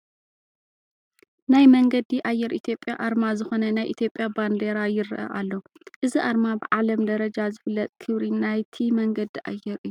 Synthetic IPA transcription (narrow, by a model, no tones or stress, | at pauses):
najmɐŋɡɐd̪iʔajːɛɾʔit̪ʰjo̞pʼːjaʔaɾmazɨxonɐnajʔit̪ʰjo̞pʼːjaband̪eɾajɪɾɨʔɐ̰ʔalːo̞ʔɨziʔaɾmabɨʕalɐmd̪ɐɾɐd͡ʒazɨflːɐt̪ʼkʰɨβɾinajt̪ʰimɐŋɡɐd̪iʔa̰jːɛɾɨjːu